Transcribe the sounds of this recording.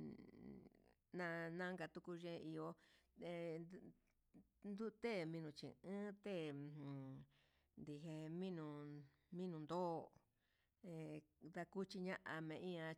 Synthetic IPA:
nã˧nã˦ŋɡa˧t̪u˧ku˧ʒẽ˦˧ʔi˧o˧e˧ | nd̪u˦˧t̪e˦˨mĩ˧nũ˨˧t͡ʃḭ̃˨ʔɨ̃˦t̪ẽ˦˨ | nd̪i˧ɦe˧mĩ˦nũ˧ | mĩ˦nũ˧nd̪o˦˨ | ẽ˧d̪a˧ku˦t͡ʃi˧ɲã˦ʔa˧mẽ˧ĩ˦ã˧

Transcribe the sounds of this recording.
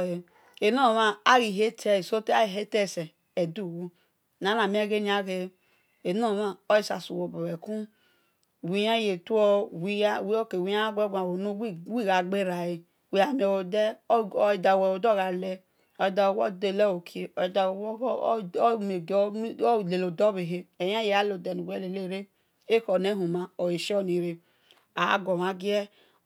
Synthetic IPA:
e˨ | e˨no˦˨ma˦a˦ɣi˨ɦe˦tʰɛ˦i˨so˦te˦a˦i˨ɦe˦tɛ˦˨sɛ˨ | ɛ˨du˦˨wo˦ | na˨˦na˨mĩ˦a˦ɡe˦ni˨˦a˦ɣe˨ | e˨no˦˨ma˦˨o˦i˦˨sa̰˨su˨wo˨bo˨wɛ˨kũ˦˨ | wi˨ja˦je˨tu˦ɔ˦wi˦a˦˨wi˦o˦ke˨wi˨˦ja˦a˦ɡe˦ɡʷa˨wo˨nu˦wi˦wi˦˨ɣa˨ɡ͡be˦ɾa˨ji˨ | wi˨˦a˨mi˦o˨wo˨dɛ˦˨ | da˨wɛ˨o˨dɔ˦˨ɣa˨lɛ˦ | ɔ˨da˨o˨wɔ̰˦de˦˨lɛ˦o˨kʰe˨ɔ˨dme˨˦˨le˨lo˨dɔ˦be˨ɦe˨˦e˨ja˦je˨a˦lo˨dɛ˨nu˨ɡʷɛ˦le˨le˦˨ɾe˦ | e˦kɔ˨ne˦ɦu˨ma˨o˨je˨ʃɔ˦ni˨ɾe˨ | a̰˨˦ɡɔ˨ma˨ɡi˦ɛ˦

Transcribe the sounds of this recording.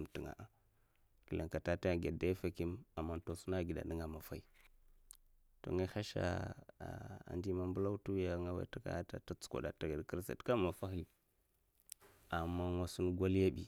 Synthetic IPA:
m˨ti˨ŋa̰˨ʔa˨ | ki˨lḛ˨ŋka˨ta˦ta˦ja˨ɡe˨da˦fa˨ki˦ma˨mːa˦n˦to˨su˦na˦˨ɡi˨da̰˨ni˦ŋa˨ma˨fa˦i˦ | to̰˨ŋa˦xa˦ʃa̰˦˨ | a̰˨ndi˦ma˨mbu˦la˦u˦tu˦ja˨˦ŋa˦wa̰˦ta˦ka̰˦a˦ta̰˨ta˦t͡su̥˦ko̰˨da̰˨ta˨ɡa˨dkɾi˦sa̰˨tka˦ma˨fa˦xi˨ | a˨mːa˦na˨su˦n˦ɡʷa˦li˦ja˦bḭ˨

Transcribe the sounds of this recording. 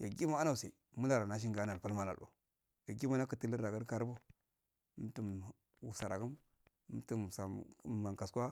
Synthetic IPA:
ja˨ɡi˦ma˦a˦na˨u˨se˨mu˦la˨ɾa˨na˨˦ʃ̬i˦ŋɡa˨˦na˨lpa˦lma˦na̰˨lo̰˨ | ja˨ɡi˦ma˦na˦kə˨ti˦lə˦ɾda˨ɡa˦ɾka˨ɾbu˦ | tu˨m | wu˨sa˨ɾa˨ɡu˦m˦ | tu˦˨sa˨ma˨ka˨skʷa˦

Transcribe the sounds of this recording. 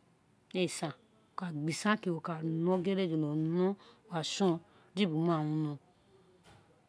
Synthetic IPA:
e˨sã˨ | o˨ka˨ɡ͡bi˨sã˦ke˨wo˨ka˨nɔ̃˦ɡe˦ɾe˦d͡ʒo˨lo˨nɔ̃˦˨a˨ʃɔ̃˦ | d͡ʒi˦bu˨˦mã˦˨wũ˧nɔ̃˧˨

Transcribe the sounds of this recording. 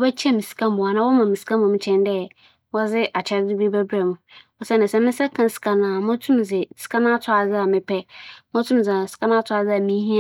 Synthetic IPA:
wɔ˦bɛ˦t͡ɕʰɛ˦mĩ˨si̥˨kʰã˦m˨ba˨nã˦wɔ˦mã˨mi˨si̥˨kã˦ʊ̃˨mʊ̃˦t͡ɕʰɛ̃˦n˦dɛ˦˨ | wɔ˦zɪ˦ʔa˨t͡ɕʰɛ˦di˦bi˦bɛ˦bɾɛ˨mʊ̃˨ɔ˨sɛ˦nɪ̃˨sɛ˨mɪ̃˦n˦sɛ˦kʰã˨n˦sɪ̥˨kʰa˨nãː˨mʊ̃˦tʰũ˦m˨zɪ˨sɪ̥˨kʰa˦nã˦tʰʊ˦a˨zɪ˦a˨mɪ̃˦pʰɛ˦mʊ̃˦tʰũ˦m˨zɪ˨sɪ̥˨ka˦nã˦tʰʊ˦a˨d͡zɪ˦a˨mĩ˦ɦĩ˦

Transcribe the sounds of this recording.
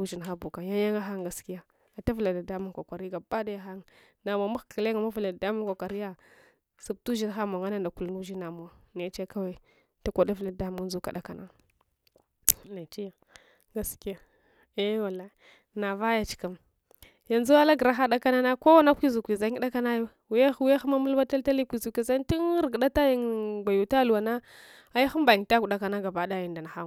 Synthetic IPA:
u˦ʒi˨nxa˦bu˨ka˨ja˦ja˦ŋa˦xa˦ŋɡa˨˦ski˦ja˨ | a˨ta˦vla˨da˨da˦mu˦ŋkʷa˨kʷa˨ɾi˦ɡa˨ba˦da˦ja˦xa˦ŋ | na˨m˨a˨ma˦xki˨le˦ŋa˨ma˦vu˨la˨da˨da˦mu˦ŋkʷa˨kʷa˨ɾi˦ja˦ | su˨b̚tu˦ʒi˦nxa˦ma˨ŋa˦na˦nda˨ku˨lnu˦ʒi˦na˨mu˨wa˨ne˨˦t͡ʃe˦ka˦we˦ | ta˦kʷa˨da˦vla˨da˦mu˦ŋ˦zu˦ka̰˨ɗa˦ka˨nʔa˦ | la˨t͡ʃi˦ja˨ | ɡa˦ski˦ja˨ | e˦wa˨la˦˨ | na˨va˦ja˨t͡ʃi̥˨ka˨m | ja˨nzu˦a˦la˦ɡɾa˦xa˦ɗa˦ka˦na˦na˦ko˦wa˦na˦kʷi˦zu˨kʷi˨za˦i˦ɗa˦ka˦na˦jo˦ | wja˦xwi˦a˦xma˦mu˦lba˦ta˦lta˦li˦kʷi˨zu˨ki˨za˦n˦ti˦n˦ɾɡɗa˦ta˦ja˦ŋɡʷa˨ju˨ta˦lu˨wa˨na˦ | a˦ja˦xu˦m˦ba˨ji˨ŋ˨ta˦˨ku˨ɗa˨ka˨na˦ɡa˨ba˨˦da˦ji˨nda˨na˨xa˦m˨

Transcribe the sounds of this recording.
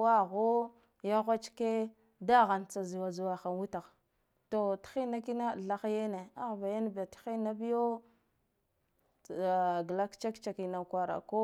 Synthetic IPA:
wa˦ɣo˦ | ja˦ɣʷa˦t͡ʃke˦ | da˦ɣa˨nt͡sa˨zi˨wa˨zi˨wa˨xa˨nwu˦ta˨ɣ | to˨txi˦na˦ki˦na˦˨ɮa˦xje˦ne˨a˦ɣba˨ja˦n˦ba˨txi˦na˦bi˦jo˦˨ | ɡla˦kt͡ʃa˦kt͡ʃa˨ki˨na˨kwa˨ɾa̰˨ko˦

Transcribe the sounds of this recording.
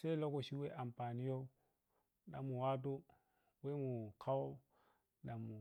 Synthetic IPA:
se˦lo˦ko˨ʃi˦we˦ʔa˨mpa˨ni˦jo˦ | na̰˨mu˨wa˦t̬u˦ | we˦mu˨kʰa˦wo˦ | na˨mu˨

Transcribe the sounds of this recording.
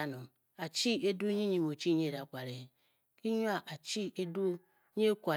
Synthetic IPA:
a˨nu˨m | a˨t͡ʃi˦e˦du˦ɲi˦ɲi˨m˨o˨t͡ʃi˦ɲ˦e˦˨ɾa˨kʷa˨ɾe˨ | ki˦ɲu˦a˦ʔa˨t͡ʃi˦e˦du˦ | ɲe˦kʷa˨

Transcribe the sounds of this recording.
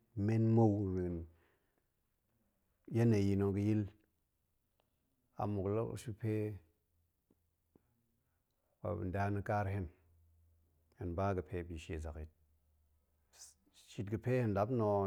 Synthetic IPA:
me˦nmo˦wmi˨n | ja˦ne˨ji˨no˨ɡə˨˦ji˦l | a̰˨mu˨klo˦ṵ˦ʃu˦pe˦ | wa̰˨nda˦nə˦ka˦ɾhe˦n | he˨nba˦ɡə˨pʰe˦bi˨ʃe˨za˨ki˨t̚ | ʃi˨tɡə˨pe˦he˦nla˨˦bno˨

